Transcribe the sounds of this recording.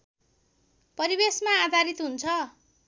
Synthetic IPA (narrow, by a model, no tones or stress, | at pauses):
pʌɾibesmaːd̪ʱaɾit̪ɦunt͡sʰʌ